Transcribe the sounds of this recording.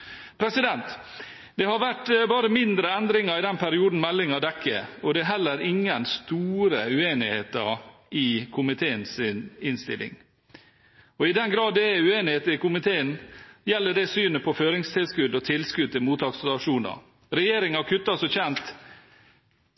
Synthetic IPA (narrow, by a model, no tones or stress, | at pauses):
pʰɾɛsɪd̪ɛnt̪ | d̪̥ɛhɑɾʋæʈbɑːɾəmɪnd̪ɾəɛnd̪ɾɪŋɑɾɪd̪ɛnpʰæɾɪuːd̪n̩mɛlːɪŋɑd̪ɛkʰːə̰ɔd̪ɛːɦɛlːəɾɪŋːənst̪uːɾəʉeːnɪheːt̪ɑɾ | ɪkʰʊmɪt̪ʰeːənsɪnɪnst̪ɪ̰lʔɪ̰ŋ | ɔɪd̪ɛnɡɾɑːd̪ɛʉeːnɪheːt̪ɾɪkʊmɪt̪ʰeːənjɛlːəɖɛsyːnəpʰɔføːɾɪŋst̪ʰɪlskʉd̪ɔt̪ʰɪlskʉd̪̚ɪmuːt̪ʰɑːkslɑʂuːnɑ̰ | ɾɛjeːɾɪŋɑɾkʰʉt̪ːɑsɔçɛnt̪